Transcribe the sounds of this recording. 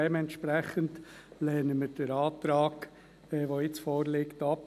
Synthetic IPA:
emɛntʃpɾɛχəntlɛːnəmɪɾd̥əɾɑːt̪ɾɑːɡ | ɛʋoːɪt͡sfoːɾlɪktɑp

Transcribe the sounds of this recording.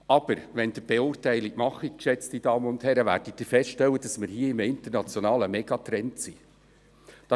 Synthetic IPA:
ɑb̥əɾʋɛnd̥̪əb̥eʊːrtæɪlikmɑχikʃɛt͡stid̥ɑːmənʊnd̪hɛɾəʋæ̰ːɾd̥id̥̪iɾfɛstʃtɛlwːəd̥ɑsmɪɾhiːəɪməɪnt̪əɾnɑt͡sjonɑːləmɛɡ̥ɑt̪ɾɛntsi | d̥ɑ

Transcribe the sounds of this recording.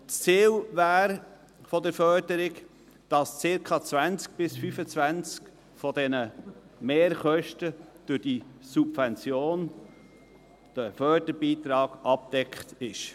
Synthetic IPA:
t͡siːlvæːɾ | fɔdəɾfœɾdəɾɪɡ | d̥ɑst͡sɪɾkʰɑt͡svænt͡sk̚b̥ɪsfyfət͡svænt͡sk | fɔdɛnə | meːɾχœʃtəd̥ʊɾd̥isubvɛnt͡sjoːn | d̥əfœrdəɾbiːt̪ɾɑːɡ̥ɑp̚d̥ɛkχtɪʃ

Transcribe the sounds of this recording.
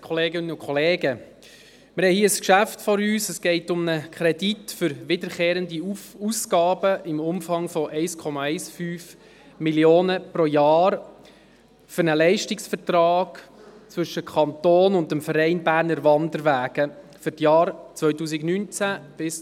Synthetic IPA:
kʰɔleːɡɪnənʊkʰχɔleːɡə | mɪɾhɛhiːəskʃæftfɔɾyːsəsɡ̥ɛɪtʊmnəkʰχɾɛditfʏɾʋɪdəɾχeːɾəndiuskɑːb̥əʔɪmʊmfɑŋfɔʔɛɪskʰɔmɑɛɪsfyːf | miljoːnəpɾojɑːɾ | fʏɾnəlɛɪʃtɪksfəɾtɾɑːɡ̥t͡sʋɵʃəkʰɑnt̪oːnʊndəmfəɾɛɪnbæːɾnəɾʋɑndəɾʋæːɡ̥ə | fʏɾtjɑːɾt͡sʋœʏtuːsɪɡnynt͡sæb̥ɪs

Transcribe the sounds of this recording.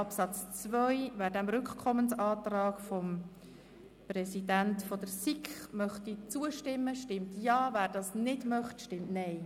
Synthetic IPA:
ɑpsɑt͡st͡svœjvæːɾdæmɾʏkχkʰɔmənsɑːtrɑːɡ̥fɔm | prɛsid̥æntfɔd̥̪əɾsikχmœχtit͡suəʃtɪmːəʃtɪmtjɑːvæːɾdɑːsnɪdmœχtʃtɪmtnɛɪ

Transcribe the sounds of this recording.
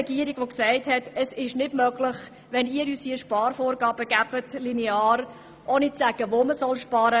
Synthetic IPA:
ɛɡiːəɾiɡ̥ʋoksæɪthɛtɛsɪʃnɪdmœɡlɪχ | ʋɛniːəɾysiəʃpɑːrfoːrɡɑːb̥əɡ̥æbətlinɛɑːɾ | ʔoːnit͡sːæɡ̥əʋoməsɔlʃpɑːɾə

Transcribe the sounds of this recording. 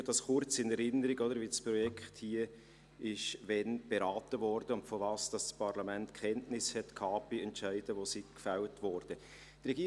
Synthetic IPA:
d̥ɑsχʊɾt͡sɪnɛɾɪnəɾɪɡɔdəɾvispɾɔjɛkʰthiə | ɪʃʋɛnb̥eɾɑːtəvɔɾd̥əʊntfovɑːsd̥ɑsspɑɾlɑmɛntkʰχɛntnɪshɛtkʰɑːb̥iɛntt͡ʃæɪd̥əʋosikfaltvɔɾd̥ə | d̥rɛɡ̥iː

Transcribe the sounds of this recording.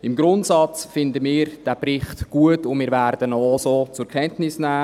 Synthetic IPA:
ɪmɡɾʊntsɑt͡sfɪndəmiːɾd̥æːbɾɪχtɡ̥uətʊnmɪːɾvæɾd̥ənɔosoːt͡sʊɾkʰχɛntnɪsnæː

